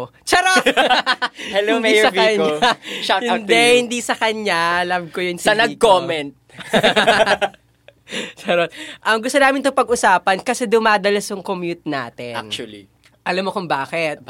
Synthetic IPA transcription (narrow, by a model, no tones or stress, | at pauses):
t͡ʃɐɾot̪ | hɛloɪnmisɐbɐɲt͡ʃahɪnd̪ɛhɪnd̪isɐkɐɲaʔɐlɐmkojʊnsɐnɐɡ̚koːmɛnt̪̚ | t͡ʃɐɾot̪̚ʔɐmɡʊst̪onaːmɪnt̪oŋpɐɡʔʊsaːpɐnkɐsɛd̪ʊmaːd̪ɐlɐsjʊŋkomjut̪̚na̰ːt̪ɛant͡ʃli | ʔɐlamːokʊŋbaːkɛt̪̚